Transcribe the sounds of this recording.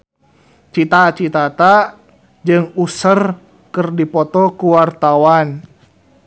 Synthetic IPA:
t͡ʃit̪at͡ʃit̪at̪a | d͡ʒɨŋusər | kərdipɔt̪ɔkuwart̪awan

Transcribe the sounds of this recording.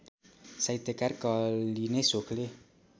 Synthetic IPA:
sajt̪jʌkarkʌlinesokʰle

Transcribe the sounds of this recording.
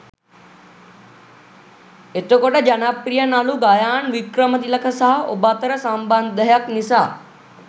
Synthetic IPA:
et̪okoʈed͡ʒanapɾijənaːluɡaːjaːnʋikɾəmət̪iləkʰəsaɦobaːt̪əɾəsãːmband̪əɦjəknɪsaː

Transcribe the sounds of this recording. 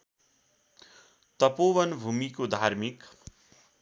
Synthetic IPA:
t̪ʌpowʌnbʱumikod̪ʱaɾmik

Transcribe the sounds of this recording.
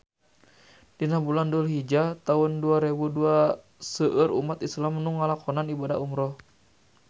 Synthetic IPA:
d̥inabulandulɦid͡ʒat̪aunduaɾebudua | səʔəɾṵmat̪islamnuŋːalakɔnanibada̰ʔumɾɔ

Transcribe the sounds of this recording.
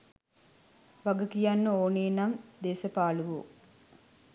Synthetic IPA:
ʋaɡɐkijanːəoːniːnamd̪eːsɐpaːluʋṵ

